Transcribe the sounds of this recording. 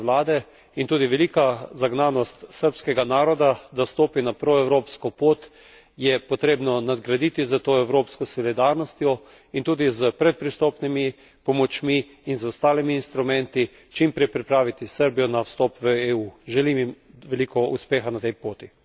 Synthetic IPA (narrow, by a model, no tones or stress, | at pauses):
laːd̪ɛ | int̪uːd̪iʋɛlikazaɡnanɔst̪səɾpskɛɡanaːɾɔd̪ad̪ast̪oːpinapɾɔɛwɾoːpskɔpoːt̪ | jɛpɔt̪ɾeːbnɔnad̪ɡɾad̪iːt̪izət̪oːɛwɾoːpskɔsɔlid̪aɾnɔst̪jɔ | int̪uːd̪izəpɾɛt̪̚pɾist̪oːpnimi | pɔmɔt͡ʃmiː | nzɔst̪aːlimiːnst̪ɾumɛnt̪i | t͡ʃimpɾɛjpɾipɾaːʋit̪isəɾbijɔnawst̪ɔːpʋəeːuːʒɛlimim | ʋɛlikɔṵspeːxanat̪ɛjpoːt̪i